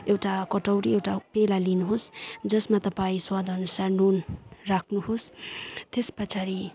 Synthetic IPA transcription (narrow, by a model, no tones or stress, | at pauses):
ewʈakʌʈʌwɾiewʈapelalinuɦosd͡zʌsmat̪ʌpaĩswad̪ʱʌnusarnonrakʰnuhost̪espʌt͡sʰaɾi